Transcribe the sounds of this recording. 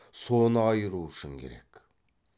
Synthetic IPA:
sonɑɑjɯɾuʃumkʲʰḛɾɛ̰kʲ

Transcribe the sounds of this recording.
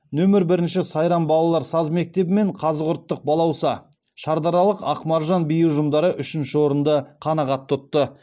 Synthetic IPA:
nɵmɪɾbɪɾɪnʃɪsɑjɾɑnbɑlˠɑlˠɑɾsɑzme̞k̚t̪e̞bɪme̞ɴqʰɑzəʁʊɾt̪ːəq̚bɑlˠɑwsɑ | ʃɑɾd̪ɑɾɑlˠəqɑqmɑɾʒɑnbijəwʒʊmd̪ɑɾəʔʏʃɪnʃɪwo̞ɾənd̪əqʰɑnɑʁɑt̪ʰːʊt̪ːə

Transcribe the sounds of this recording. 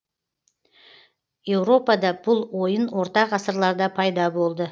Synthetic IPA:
je̞wɾo̞pɑd̪ɑbʊlˠwo̞jənwo̞ɾt̪ɑqɑsəɾlˠɑɾd̪ɑpʰɑjd̪ɑbo̞lˠd̪ə

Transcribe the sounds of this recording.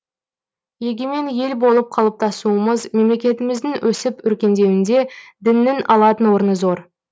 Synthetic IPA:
je̞ɡʲeme̞nje̞lbo̞lˠəp̚qʰɑlˠəp̚t̪ʰɑsuəməzme̞mle̞kʲe̞t̪ɪmɪzd̪ɪŋwʔɵsɪpʏɾkʲe̞nd̪e̞wɪnd̪e̞d̪ɪnːɪnʔɑlˠɑt̪ənwo̞ɾənəzo̞ɾ

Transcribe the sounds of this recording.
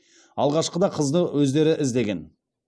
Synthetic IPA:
ɑlˠʁɑʃqəd̪ɑqʰəzd̪əwɵzd̪e̞ɾɪʔɪzd̪e̞ɡʲe̞n

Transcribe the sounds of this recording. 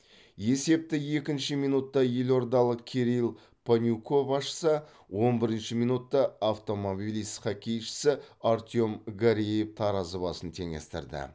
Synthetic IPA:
je̞se̞p̚t̪ɪje̞kʲɪnʃɪmijnut̪ːɑjelʲo̞ɾd̪ɑlˠəqkʲʰe̞ɾilˠ | pʰonʲuko̞bɑsʃə̥sə | wo̞nbɪɾɪnʃɪmijnut̪ːɑaft̪o̞mo̞bilist̪qɑkʲʰe̞jʃɪ̥sɪaɾt̪ʲjomɡaɾiejeft̪ʰɑɾɑzəβɑsənt̪ʰe̞ŋe̞̰st̪ɪ̰ɾd̪ɪ̰

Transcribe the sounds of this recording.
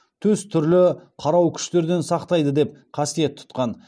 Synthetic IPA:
t̪ʰɵzt̪ʰʏɾlɪqʰɑɾɑwkʲʰʏ̥ʃt̪e̞ɾd̪e̞nsɑqt̪ɑjd̪əd̪e̞p̚qʰɑsije̞t̪ʰːʊ̥t̪qɑn

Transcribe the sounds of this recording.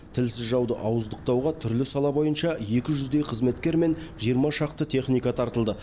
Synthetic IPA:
t̪ʰɪlsɪzʒɑwd̪əʔɑwəzd̪əq̚t̪ɑwʁɑt̪ʰʏɾlɪsɑlˠɑbo̞jənʃɑje̞kʲɪʒʏzd̪e̞jqʰəzme̞t̪kʲe̞ɾme̞nʒijəɾmɑʃɑqt̪ət̪ʲʰe̞χnijkɑt̪ʰɑɾt̪əlˠd̪ə

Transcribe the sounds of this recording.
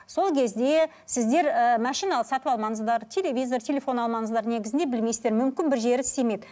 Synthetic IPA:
so̞lˠkʲʰe̞zd̪e̞ | sɪzd̪e̞ɾəmɑʃijnɑlˠəsɑt̪əpɑlˠmɑŋəzd̪ɑɾt̪ʲʰe̞lʲe̞vʲijzo̞rt̪ʲʰe̞lʲe̞fo̞nɑlˠmɑŋəzd̪ɑɾne̞ɡʲɪzɪnd̪e̞bɪlme̞jsɪzd̪eɾmʏmkʲɪnbɪɾʒe̞ɾɪɪst̪emed̪

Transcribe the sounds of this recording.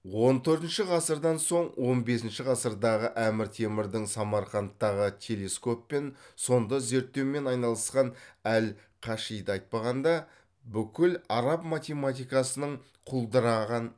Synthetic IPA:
wo̞nt̪ʰɵɾt̪ɪnʃɪʁɑsəɾd̪ɑnso̞ɴwo̞nbe̞sɪnʃɪʁɑsəɾd̪ɑʁəʔæmɪɾt̪ʰe̞mɪɾd̪ɪŋsɑmɑɾqɑnt̪ːɑʁət̪ʲʰe̞le̞sko̞pːe̞nso̞nd̪ɑze̞ɾt̪ːe̞wme̞nɑjnɑlˠəsqɑnæl | qʰɑʃijd̪əɑjt̪̚pɑʁɑnd̪ɑ | bʏkʲɪlɑɾɑpmat̪ʲe̞mat̪ijkɑsənəɴ | qʰʊlˠd̪əɾɑʁɑn

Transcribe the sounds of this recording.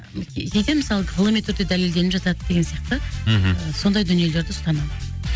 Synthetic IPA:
kʲʰejd̪e̞msɑlˠəqʰəlˠəmet̪ʰʏɾd̪e̞d̪æleld̪e̞nɪpʒɑt̪ɑd̪əd̪e̞ɡʲe̞nsijɑqt̪ə | so̞nd̪ɑjd̪ʏnijele̞ɾd̪ɪst̪ɑnɑmə

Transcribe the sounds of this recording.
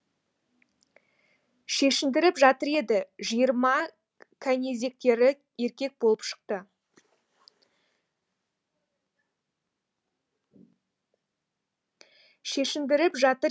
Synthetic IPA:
ʃe̞ʃɪmd̪ɪɾɪpʒɑt̪əɾe̞d̪ɪʒijəɾmɑ | kʲʰæne̞ze̞k̚t̪e̞ɾɪ | e̞ɾkʲe̞k̚bo̞lˠəpʃə̥q̚t̪ə | ʃe̞ʃɪmd̪ɪɾɪpʒɑt̪əɾ

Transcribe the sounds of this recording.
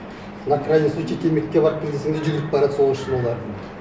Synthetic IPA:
nakranʲesut͡ʃʰekʲʰemekːʲebɑɾəp̚kʲʰed̪ʲɡ̪ʲeseŋd̪ed͡ʒʏɡʲɪɾɪtp̚bɑɾɑt̪so̞ʁəʃʃɪnwolˠɑɾd̪ə

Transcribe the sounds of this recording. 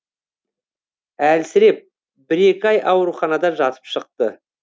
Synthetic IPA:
ælsɪɾe̞p̚ | bɪɾe̞kʲɪɑjʔɑwɾuχɑnɑd̪ɑʒɑt̪ə̥pʃəq̚t̪ə

